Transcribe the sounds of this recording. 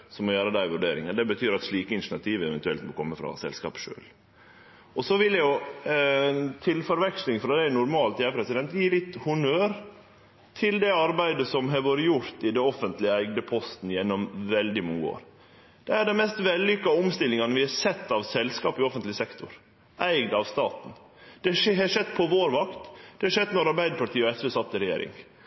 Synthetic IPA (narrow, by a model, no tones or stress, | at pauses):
sɔmɔjøːɾəd̪æɪʋʉɖeːɾɪ̰ŋənd̪ɛbət̪ʰyːɾɑt̪ʂliːkəɪnʂnɑt̪ʰiːʋəɛʋɛnt̪ʉɛlt̪mɔkʰɔmːəfɾɑ̰sɛ̰lskɑ̰ːpʂø̰ːl | ɔsɔʋɪljæjʊ | t̪ʰɪlfɔɾʋɛkslɪŋfɾɑd̪æɪnʊɾmɑːlt̪jæːɾpʰɾɛsɪd̪ɛnt̪jiːlɪt̪ːhʊnøːɾ | t̪ʰɪld̪ɛɑɾbæɪd̪əsɔmɦɑɾʋoːɾəjʊɾt̪ɪd̪ɛɔfənt̪lɪəæɪɡd̪əpʰɔst̪n̩jɛnːɔmʋɛld̪ɪmʊŋːəo̰ːɾ | d̪̥ɛæɖɛnmɛst̪ʋɛlːʏkːɑɔmst̪ɪlɪŋɑnəʋɪhɑɾsɛt̪ːɑʋsɛlskɑːpɪɔfənt̪lɪsɛkt̪ʰʊɾ | ʔæɪɡd̪ɑʋst̪ɑːt̪n̩ | d̪̥ɛhɛʂɛd̪ːpʰɔʋoːɾʋɑkt̪d̪ɛɑʂɛd̪nɔɾɑɾbæɪd̪əpʰɑʈ̪ʰiːɔɛsʋesɑt̪ːɪɾɛjḛːɾɪ̰ŋ